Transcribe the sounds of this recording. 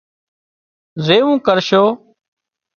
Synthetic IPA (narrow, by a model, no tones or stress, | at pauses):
zeːʋũːkəɾʃoː